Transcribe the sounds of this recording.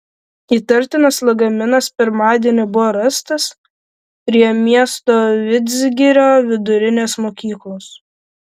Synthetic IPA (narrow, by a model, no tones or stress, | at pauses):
iːt̪ɐɾʲt̪ʲɪnɐslˠɐɡɐmʲɪnɐspʲɪɾmɑːd̪ʲiɛnʲɪbʊʋoːɾɐst̪ɐs | pʲɾʲiɛmʲiɛst̪oːʋʲɪd̪ʲzʲɡʲɪɾʲoːʋʲɪd̪ʊɾʲɪnʲeːsmoːkʲiːklˠoːs